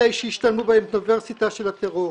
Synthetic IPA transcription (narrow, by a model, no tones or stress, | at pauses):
ejʃejiʃtalmubaemt̪niveʁsit̪aʃelat̪eʁo